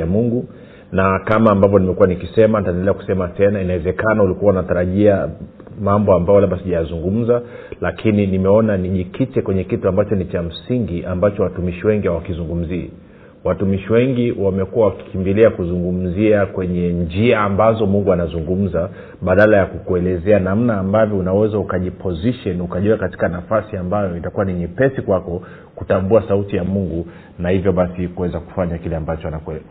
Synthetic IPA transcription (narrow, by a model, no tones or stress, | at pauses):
amuŋɡu | nakamaːmbavjɔnimɛkuwanikisɛmanitaɛndɛlɛaku̥sɛmatɛnainawɛzɛkanaulikuwaunataɾaʄia | mambɔambajɔlaɓasiʄajazuŋɡum̩za | lakʰininimɛɔnaniʄikitɛkwɛɲɛkituambat͡ʃɔnit͡ʃam̩siŋɡiʔambat͡ʃɔwatumiʃiwɛŋɡihawakizuŋɡum̩ziː | watumiʃiwɛŋɡiwamɛkuwawaki̥kimbiliakuzuŋɡum̩ziakwɛɲɛnd͡ʒiaːmbazɔmuŋɡuanazuŋɡum̩za | ɓaɗalajakukuɛlɛzɛanam̩naːmbavjɔunawɛzaukaʄipʰɔziʃɔnukaʄuakati̥kanafasiambajɔitakuwaniɲɛpɛsikwakɔ | kutambuasautijamuŋɡu | nahivjɔɓasikuwɛzaku̥faɲakilɛambat͡ʃɔanakɛ